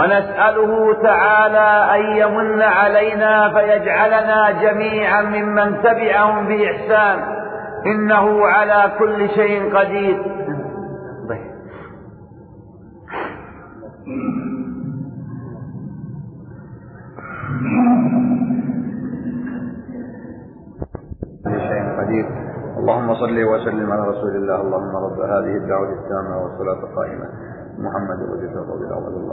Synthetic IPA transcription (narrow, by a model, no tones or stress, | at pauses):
wanasʔalʊhʊt̪aʕaːlaːʔanjamʊnːaʕalajnaːfajad͡ʒʕalnaːd͡ʒamiːʕanmɪmːant̪abɪʕahʊmbɪʔɪħsaːnʔɪnːaɦʊʕalaːkʊlːɪʃajʔnqɑd̪iːɾ | laʃajʔnqɑd̪iːɾʔɑ̰lˤːɑːhʊmːɑsˤɑlːiːwaʔʊsalːɪmʕalaːɾˤɑsuːlɪlːaːhʔɑlˤːɑːhʊmːɑɾˤɑd̪ːa̰haːðɪhɪd̪ːaʕwalɪsaːmːawɑsˤːɑlaːt̪lqɑ̰ːʔɪ̰mʔa̰ | mʊħamːad̪lwʔa̰zid̪ʊˤɑ̰d̪ˤj̰lʔa̰wa̰d̪ɑlˤːɑ̰